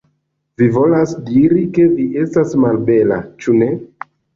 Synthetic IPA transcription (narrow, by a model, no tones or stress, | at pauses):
vivo̞lasdiɾike̞viʔe̞stasmalbe̞la̰t͡ʃune̞